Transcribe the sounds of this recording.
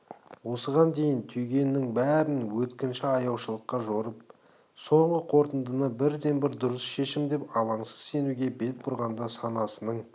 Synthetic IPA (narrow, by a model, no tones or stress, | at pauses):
wo̞səʁɑnd̪e̞jɪnt̪ʰʏjɡʲe̞nːɪŋbæɾɪnwɵt̪kʲɪnʃɪɑjɑwʃəlˠəqːɑʒo̞ɾəp̚ | so̞ɴʁəqʰo̞ɾt̪ənd̪ənəbɪɾd̪e̞nbɪɾd̪ʊɾəsʃe̞ʃɪmd̪e̞pɑlˠɑɴsə̥z̥se̞nuɡʲe̞be̞t̪̚bʊɾʁɑnd̪ɑsɑnɑsənəɴ